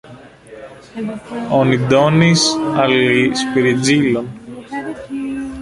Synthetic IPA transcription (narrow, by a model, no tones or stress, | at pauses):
onid̪onisɐlispiɾid͡zilon